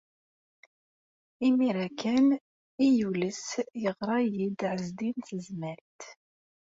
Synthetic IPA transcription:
imiɾækːæn | ijuləsjəʁɾˤɑjid̪ʕəzd̪inθəzməɾt̪

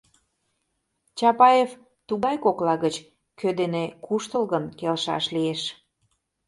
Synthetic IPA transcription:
t͡ɕɑpɑjef | t̪uɣɑjkoklɑɣət͡ɕ | kʰød̪enekuʃt̪əlɣənkelʃɑ̰ʃlieʃ

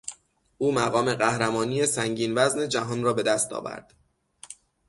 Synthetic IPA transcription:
ʔuːmæɣɒːme̞ɢæhɾæmɒːniːjesæŋɟiːnvæzne̞d͡ʒæɦɒːnrɒːbe̞d̪æst̪ʰɒ̰ːvæ̰ɾd̪̥

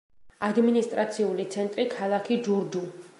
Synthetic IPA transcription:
ad̪minist̪ʼɾat̪sʰiulit̪sʰɛnt̪ʼɾikʰalˠakʰid͡ʒuɾd̪u

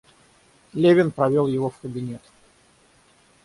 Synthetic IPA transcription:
lʲevʲɪnpɾɐvʲo̞lˠjɪvofkəbʲɪnʲet̪

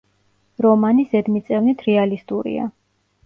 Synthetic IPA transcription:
ɾɔmanisɛd̪mit̪sʼɛvnit̪ʰɾɛalist̪ʼuɾḭa̰

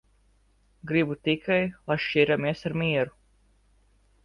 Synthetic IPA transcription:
ɡɾibut̪ikʰajlˠajʃt͡ʃiɾamiɛsaɾmiɛɾu

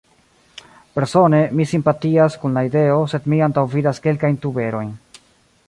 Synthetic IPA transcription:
pe̞ɾso̞ne̞misimpatiaskunlaide̞o̞se̞dmiantawvidaske̞lkajntube̞ɾo̞jn

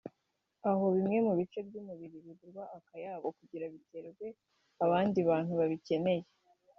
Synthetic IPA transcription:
aɦo̞βimŋe̞muβit͡ʃe̞bɟumuβiɾiβiβuɾɡwaːkajaːβo̞kuɟiɾaβite̞ːɡwe̞ | aβaːndiβaːn̥huβaβice̞ne̞je

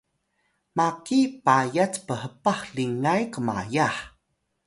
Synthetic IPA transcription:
makipajat͡spəɦəpaxɬiŋajkəma̰jaħ

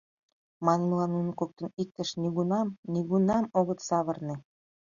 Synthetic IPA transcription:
mɑnməlɑnːunɤ̆kok̚t̪ə̆nik̚t̪ə̆ʃniɣunɑmniɣunɑmoɣət̪sɑβərnĕ

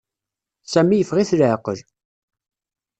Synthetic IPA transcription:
sæmːijəfʁiθlʕqəl

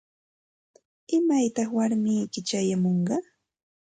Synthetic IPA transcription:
ɪmajt̪ɑχwaɾmijkɪt͡ʃajamoɴɢɑ

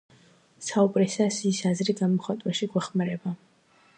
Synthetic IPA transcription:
saubʼɾɛsasisazɾiɡamɔχat̪ʼwaʃiɡwɛχmaɾɛba

